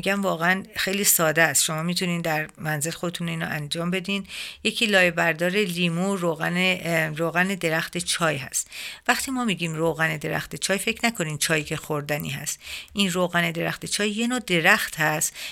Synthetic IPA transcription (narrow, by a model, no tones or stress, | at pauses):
ɟæmvɒːɣeænxe̞jliːsɒːd̪eæst̪ʃo̞mɒːmit̪ʰuniːnd̪æɾmænzelexod̪et̪ʰuniːnɔ̰ʔænd͡ʒɒːmbe̞d̪iːnje̞cʰiːlɒːjebæɾd̪ɒːɾe̞liːmuroɣæneɾoːɣæne̞d̪e̞ɾæxt̪et͡ʃʰɒːjɦæ̰st̪væxt̪ʰiːmɒːmiːɟiːmroːɣæne̞d̪e̞ɾæ̰xt̪e̞t͡ʃʰɒːjfe̞cʰnækʰo̞niːnt͡ʃʰɒːjicʰe̞xoɾd̪ænḭːɦæ̰st̪ʔinroːɣæne̞d̪e̞ɾæxt̪ʰet͡ʃʰɒːjːe̞noːd̪e̞ɾæxt̪hæst̪